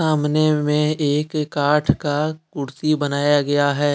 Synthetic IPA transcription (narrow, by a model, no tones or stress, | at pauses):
aːmnemẽeːkːaːʈʰkakʊɾt̪ibɐnaːjaɡɐjaɦɛː